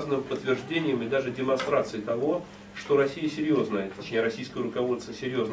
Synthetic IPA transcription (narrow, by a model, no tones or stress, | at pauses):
znɨmpət̪ːvʲɪrʐdʲenʲɪjəmɪd̪aʐɨdʲɪmɐnst̪ɾat̪sɨɪt̪ɐvo̞ | ʂt̪o̞ɾɐsʲijəsʲɪɾʲjo̞znəjət̪ːɐt͡ɕnʲeɾɐsʲijskəjəɾʊkɐvo̞t̪st̪əsʲɪɾʲjo̞zn